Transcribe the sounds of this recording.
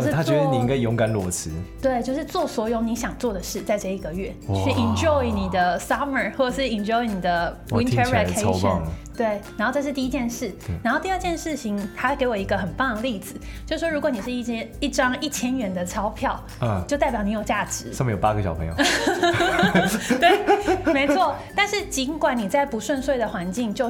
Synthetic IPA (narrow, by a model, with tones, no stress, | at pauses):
o˧ʊʂ̩ʰ˥˧a˦˥t͡ɕɛ˧˥d̪ə˧i˨˩i˧˥ŋɡa˥˩ɪjʊ˧˥ŋɡa˨˩˦nlwɔ˧˥s̩ʰ˧˥t̪we˥˩ɪt͡ɕjo˥˧ʊʂɻ̩˥˧t͡swɔ˥˩swɔ˧˥jo˧˥ʊni˧˥ɕjɑ˨˩ŋt͡swɔ˥˩d̪ə˩ʂɻ̩˥˩t͡sa˥˧ɪʈ͡ʂə˥˧˩i˨˩ɡə˨ɥɛ˥˩t͡ɕi˥˩i˨nd͡ʒɔ˥˩ɪni˨˩d̪ə˦sɑ˥mə˨˩xwɔ˥˩ə˩ʂɻ̩˥˩i˨˩nd͡ʒɔ˥˧ɪni˨˩d̪ə˦wi˧˥nʰə˧ɛ˨˧kʰe˥˧ʂə̰˨˥˨ŋt̪we˥˩ɪ˨˥nxo˥˧ʈ͡ʂɤ˥˧ʂ̬̩˥˧t̪i˥˧i˥t͡ɕjɛ˥˧nʂɻ̩˥˩na˧nxo˥˧ʊt̪i˥˧ə˥˧t͡ɕjɛ˥˧nʂɻ̩˥˩t͡ɕʰi˨ŋt̪ʰa˥ke˧ɪwɔ˨˩i˧˥ɡə˧xə˨˩nfɑ˥˧ŋli˥˩d͡zɹ̩˨˩˦ | t͡ɕjo˥˧ʂɻ̩˥˩ʂwɔ˥u˧˥kwɔ˧˦ni˨˩ʂɻ̩˥˧i˥˩ɛ˥i˥˩ʈ͡ʂɑ˦˥ŋi˥˩t͡ɕʰjɛ˥nɥɛ˧˥nd̪ə˧ʈ͡ʂʰɑ˥ʊpʰjɑ˥˨ʊ | jo˥˧ʊt̪a˥˩ɪpjɑ˨˩ʊni˧˥jʊt͡ɕja˥˩ʈ͡ʂɻ̩˨˧˦ə˥˩mə˧jo˨˩pa˦˥ɡə˨˩ɕjɑ˨˩ʊə˧˦ŋjo̰˨˧˦ | t̪we˥˩ɪme˧˥ɪt͡sʰwɔ˥˩t̪a˥˧nʂɻ̩˥˩t͡ɕi˧˥nkwa˨˩˦nni˨˩t͡sa˥˩ɪpu˧˥ʂwə˥˧nswe˥˩ɪd̪ə˩xwa˧˦˥nt͡ɕi˥˧ŋt͡ɕjo˥˧ʊ